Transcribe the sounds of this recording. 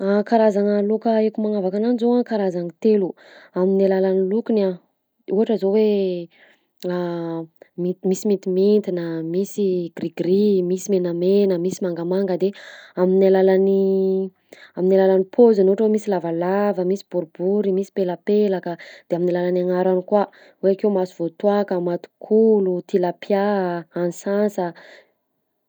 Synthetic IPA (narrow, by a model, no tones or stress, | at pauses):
akaɾazaŋəlokəekumaŋavakananizoakaɾazaŋit̪elu | aminilalanilukuna | uɦaʈ͡ʂəzowe | a | mimisimit̪iment̪inəmisiɡriɡɾimisimenamenəmisimaŋɡamaŋɡəd̪eaminalalani | aminalalanipʰozanoaʈ͡ʂəwemisilavalavəmisi̥b̥uɾubuɾimisi̥peləpelakəd̪̥eaminilalanaŋaɾanikwa | weakewmasiv̥ot̪wakəmat̪u̥kʰulut̪ilapjaanisansə